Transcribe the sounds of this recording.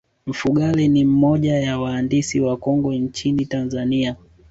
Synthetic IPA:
m̩fuɠalinim̩mɔʄajawaːndisiwakɔŋɡɔɲt͡ʃinitanzania

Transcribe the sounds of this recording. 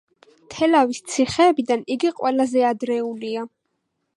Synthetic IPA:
t̪ʰɛlavist̪sʰiχɛːbid̪aniɡiqʼwɛlazɛad̪ɾɛulia

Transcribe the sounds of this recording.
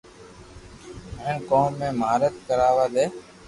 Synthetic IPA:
məɪnkoːmːẽːmaːɾət̪̚kəɾaːʋaːd̪eː

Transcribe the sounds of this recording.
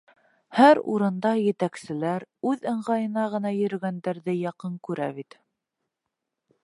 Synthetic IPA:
hæɾṵɾɤ̆nd̪ɑjɘ̆t̪æksɘ̆læɾʉðɤ̆ɴʁɑjɤ̆nɑʁɤ̆nɑjɵ̆ɾɘ̆ɡænd̪æɾðɘjɑqɤŋkʉɾæ̰βit̪

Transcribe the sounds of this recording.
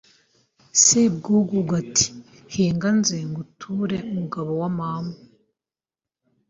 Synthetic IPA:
seb̚ɡuːɡuɡatʰi̥ | heːŋɡanzeŋɡutʰuɾeumuɡaβowamamu

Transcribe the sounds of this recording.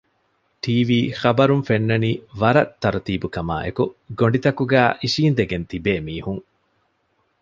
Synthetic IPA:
ʈʰiːʋiːxɐbɐɾunfenːɐniːʋɐɾɐt̪ːɐɾt̪iːbukɐma̰ːʔḛkuɡoɳ̆ɖit̪ɐkuɡæːʔiʃiːnd̪eɡent̪ibeːmiːhuŋ

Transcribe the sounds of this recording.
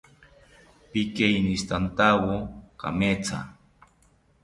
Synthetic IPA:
pikejnist̪ant̪awoka̰met͡sa̰

